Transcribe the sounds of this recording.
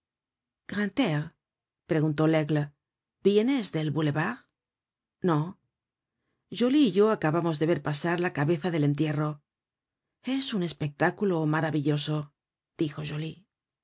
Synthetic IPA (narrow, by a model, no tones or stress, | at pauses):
kʁant̪eʁ | pɾe̞ɣunt̪o̞leɣl | bje̞ne̞zðe̞lβule̞βaʁ | no̞ | ʒoliːʝo̞akaβamo̞zðe̞βe̞ɾpasaɾlakaβe̞θaðe̞le̞nt̪je̞ro̞ | e̞sune̞spe̞k̚t̪akulo̞maɾaβiʎo̞so̞ | d̪̥ixo̞ʒoli